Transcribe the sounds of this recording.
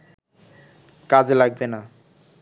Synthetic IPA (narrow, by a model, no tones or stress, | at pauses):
kad͡ʑelaɡ̚bena